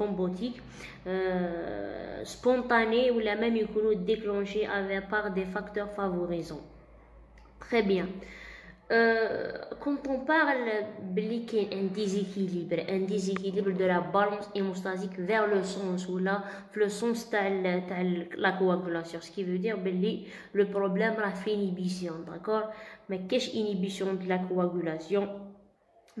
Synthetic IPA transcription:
fɑ̃bot̪ʰik | spɔ̃t̪anewlamɛmjəkunud̪eklɑ̃ʃeʔavɛpaʁd̪efakt̪œʁfavɔʁizɑ̃ | t̪χɛbjɛ̃ | kɑ̃t̪ɔ̃paʁlblikeʔɛ̃d̪ezekʰilibɾʔɛ̃d̪ezekilibʁd̪əlabalɑ̃semust̪azikvɛʁləsɑ̃swəla | fləsɑ̃st̪alt̪aʕlakoaɡylasjɔ̃sə̥kivød̪iʁbəlːi | ləpʁɔblɛmɾˤɑfinibisjɔ̃d̪a̰kɔʁmækːɛʃinibisjɔ̃d̪əlakoaɡylasjɔ̃

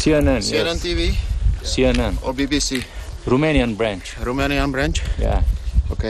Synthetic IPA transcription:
sienanienent̪iʋisienanobibisiɾumenijanbɾãnt͡ʃɾumenijanbɾãnt͡ʃja̰oke

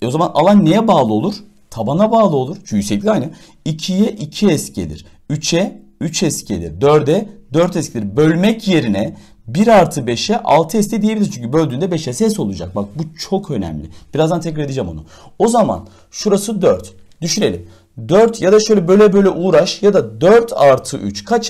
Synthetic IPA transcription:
o̞zamanʔa̰lˠanːejɛbaːlˠɯo̞lˠuɾ̥ | t̪ʰabanabaːlˠɯo̞lˠuɾ̥t͡ʃʰyysɛclʲiajna | icʰijɛʔicʰiɛst̪cʰḛlʲḭɾ̥ | yt͡ʃʰɛyt͡ʃʰɛscʰḛlʲḭɾd̪øɾd̪ɛd̪øɾt̪ɛscʰelʲiɾbø̞lʲmɛcʰje̞ɾinɛ | biɾaɾt̪ʰɯbeʃɛʔa̰lˠt̪ʰɯɛstcʰɛd̪ijebilʲiɾt͡ʃʰyɲʲcʰybø̞lʲd̪ynd̪ɛbɛʃɛsɛs̬o̞lˠud͡ʒa̰k̚bak̚but͡ʃʰo̞kʰø̞nɛ̰mlʲɪ̰b̥iɾazd̪ant̪ʰɛcɾaɾed̪ed͡ʒɛmo̰nʊ̰ | o̞zama̰n | ʃuɾasɯd̪øɾt̪ | d̪yʃyne̞lʲḭm | d̪øɾt̪ʰjad̪aʃø̞jlʲɛbø̞jlʲɛbø̞jlʲɛʔuːɾaʃjad̪ad̪øɾt̪ʰaɾt̪ʰɯʔyt͡ʃkʰat͡ʃ

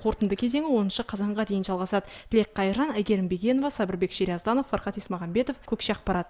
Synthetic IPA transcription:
qʰo̞ɾt̪ənd̪əkʲʰe̞ze̞ŋɪwo̞nənʃəqʰɑzɑɴʁɑd̪ejɪnʒɑlˠʁɑsɑd̪ət̪ʰɪle̞qʰːɑjʒɑnæɡʲe̞ɾɪmbeɡʲe̞no̞vɑsɑbɪɾbe̞kʃeɾijɑzd̪ɑno̞fɑɾχɑt̪ijsmɑʁɑmbe̞t̪o̞fkʲʰɵkʃeɑq̚pɑɾɑt̪

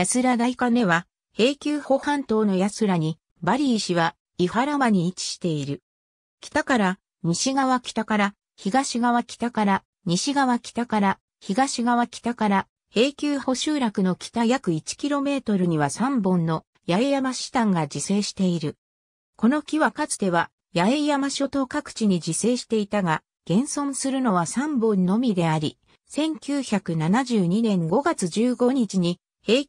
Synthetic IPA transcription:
jat͡sɨɾad̪aikane̞βa | he̞ːkʲɨːho̞hãnt̪o̞ːno̞jasɨɾaɲ̟i | baɾʲiːɕiβa | ihaɾamaɲ̟iːt͡ɕi̥ɕi̥t̪e̞iɾɯ̟ | kʲi̥t̪akaɾa | ɲiɕiɡaβakʲi̥t̪akaɾa | çiɡaɕiɡaβ̞akʲi̥t̪akaɾa | ɲ̟iɕiɡaβakʲi̥t̪akaɾa | çiɡaɕiɡaβakʲi̥t̪akaɾa | he̞ːkʲɨːho̞ɕɨːɾakɯ̟no̞kʲi̥t̪ajakɯ̟it͡ɕi̥kʲiɾo̞me̞ːt̪o̞ɾɯ̟ɲ̟iβasãmbõ̞nːo̞ | jaejamaɕi̥t̪ãŋɡad͡ʑise̞ːɕi̥t̪e̞iɾɯ̟ | ko̞no̞kʲiβakat͡sɨ̥d̪e̞β̞a | jaejamaɕo̞t̪o̞kakɯ̟̥t͡ɕiɲ̟id͡ʑise̞ːɕi̥t̪e̞it̪aɡa | ɡ̥ẽ̞ɰ̃sõ̞ɰ̃sɨɾɯ̟no̞βasãmbõ̞nnːo̞mʲid̪e̞aɾʲi | sẽ̞ŋkʲɨːçakɯ̟nanaʑɨːɲ̟inẽ̞ŋɡo̞ɡat͡sɨd͡ʑɨːɡo̞ɲ̟it͡ɕiɲ̟i | he̞ː

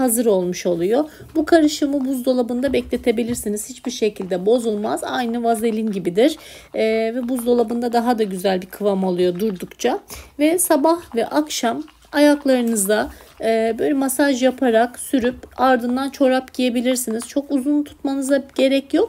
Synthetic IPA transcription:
hazɯɾo̞lˠmuʃo̞lˠujo̞ | bukʰaɾɯʃɯmɯbuzd̪o̞lˠabɯnd̪abɛclʲe̞t̪ʰe̞bilʲiɾsiniz̥hit͡ʃbiɾʃe̞cʰilʲd̪ɛbo̞zulˠmaza̰jnɯvazelʲinɟibid̪iɾ̥ | vɛbuzd̪o̞lˠabɯnd̪ad̪aɦad̪aɟyzælʲbikʰɯvamolˠujo̞d̪uɾd̪ukt͡ʃʰavɛsabahvɛʔakʃam | ajaklˠaɾɯnɯzd̪a | bøjlʲɛmasaʒjapʰaɾaksyɾypaɾd̪ɯnd̪ant͡ʃʰo̞ɾapɟije̞bilʲiɾsiniz̥t͡ʃʰo̞kuzunt̪ʰu̥t̪manɯzaɟ̥e̞ɾɛcjo̞k̚

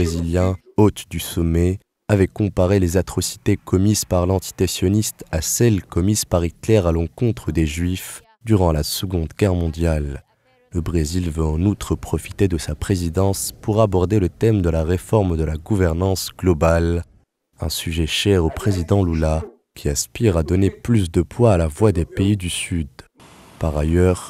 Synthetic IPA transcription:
eziljɛ̃ | ot̪d̪ysɔmɛ | avɛkɔ̃paʁelezat̪χɔsi̥t̪ekɔmizpaʁlɑ̃t̪i̥t̪esjɔnist̪asɛlkɔmizpaʁit̪lɛʁalɑ̃kɔ̃t̪χəd̪eʒɥif | d̪yʁɑ̃lasəɡɔ̃d̪ɡʲɛʁmɔ̃d̪jalː | əbʁezilvəɑ̃nut̪χəpχɔfi̥t̪ed̪əsapχezid̪ɑ̃spuʁabɔʁd̪elət̪ɛmd̪əlaʁefɔʁmd̪əlaɡuvɛʁnɑ̃sɡ̥lɔbal | ɛ̰̃syʒɛʃɛʁopχezid̪ɑ̃lula | kʲiɛ̃spiʁad̪ɔneplys̬d̪əpwaːlavwad̪epeid̪ysyd̪ | paʁajœʁ

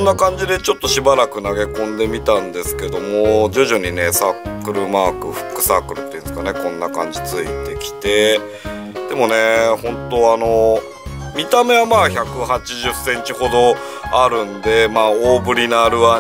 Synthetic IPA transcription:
nːakãɲ̟d͡ʑid̪e̞t͡ɕo̞t̪ːo̞ɕibaɾakɯ̟naɡe̞kõ̞nd̪e̞mʲit̪ãnd̪e̞sɨ̥ke̞d̪o̞mod͡ʑoːʑoɲ̟ine̞saːkɯ̟ɾɯ̟maːkɯ̟ɸɯ̟̥kːɯ̟̥saːkɯ̟ɾɯ̟t̪ːeiɯ̃nd̪̥sɨ̥kane̞kõ̞nːakã̰ɲ̟d͡ʑit͡sɨḭt̪e̞kʲi̥t̪e̞ | d̪̥e̞mo̞ne̞hõ̞nt̪o̞ano̞ | mʲit̪ame̞βamaːçakɯ̟hat͡ɕiʑɨsẽ̞ɲ̟t͡ɕiho̞d̪o̞ | aɾɯ̟̃nd̪e̞maːoːbɯ̟ɾʲinaɾɯ̟βa

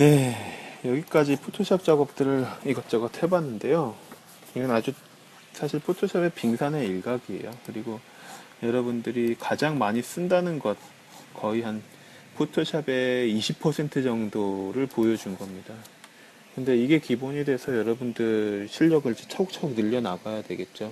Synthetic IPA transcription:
ne̞jʌɡik͈ad͡ʑipʰotʰoɕʰak̚t͡ɕ͈aɡʌp̚t͈ɯɾɯɭiɡʌt͡ɕ͈ʌɡʌtʰebanːɯnde̞jo | iɡɯnad͡ʑu | sʰaɕʰiɭpʰotʰoɕʰabe̞piŋsʰane̞iɭɡaɡie̞̰jokɯɾiɡo | jʌɾʌbundɯɾikad͡ʑaŋmaɲis͈ɯndanɯnɡʌt̚ | kʌiɦan | pʰotʰoɕʰabe̞iɕʰipʰːʌsʰe̞ntʰɯd͡ʑʌŋdoɾɯɭpojʌd͡ʑunɡʌmɲida | kɯnde̞iɡe̞kiboɲide̞sʰʌjʌɾʌbundɯɾɕʰiʎːʌɡɯɭd͡ʑit͡ɕʰauk̚t͡ɕʰauk̚nɯʎːʌnaɡajadwe̞ɡe̞t̚t͡ɕ͈o

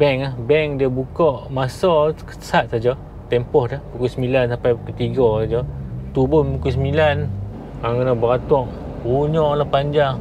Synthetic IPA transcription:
bɛŋahbɛŋdiəbukɔʔmasɔkə̥sat̪̚sad͡ʒa | t̪ɛmpɔhdəhpukusəmilansapajkət̪iɡɔsad͡ʒat̪ubʊnpukus̬milan | aŋkənabəɾat̪ɔŋ | uɲɔlapaɲd͡ʒaŋ

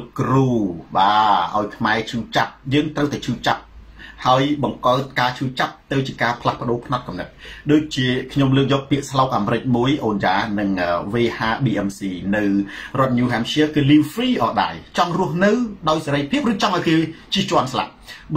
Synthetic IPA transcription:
kruːɓaːʔa̰ɔjkʰmaɛt͡ɕʰuːt͡ɕap̚jəːŋt̪rəwt̪aɛt͡ɕʰuːt͡ɕap̚ | haəjɓɑŋkaːt̪̚kaːt͡ɕʰuːt͡ɕap̚t̪ɨwt͡ɕiəkaːpʰlahpə̆ɗoːpʰnɑt̪̚kɑmnɨt̪̚ɗoːc̚t͡ɕiəkʰɲomləːk̚jɔːk̚piəʔslaːk̚ʔaːmɾɨc̚muəjʔoːnjaːnɨŋəːʋeːhaːɓiːʔɛmsiːnɨwrŏət̪̚ɲuːɦaːmsiəkɨːliwfriːʔɑːɗa̰ɛlt͡ɕɑŋrŭəhnɨwɗaɔjseɾəjpʰiəp̚rɨːt͡ɕɑŋʔaɔjkeːt͡ɕiət͡ɕŏənsla̰p̚

